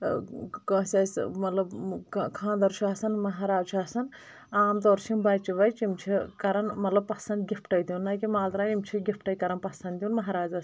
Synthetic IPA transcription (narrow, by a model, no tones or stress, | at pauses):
kɐsʲɐsmɐt̪lɐbkʰãːnd̪ɐɾʃʰuaːsɐnmɐɦaːɾaːt͡ʃʰaːsɐn | aːmt̪oːɾʃimbɐt͡ʃiʋɐjt͡ʃimt͡ʃʰikɐɾɐnmɐt̪lɐb̚pɐsɐnd̪̚ɡʲifʈɐjd̪unːɐːkʲimaːld̪ɾaːimt͡ʃʰiɡʲifʈɐjkɐɾɐnpɐsɐnd̪junmɐɦaːɾaːzaːs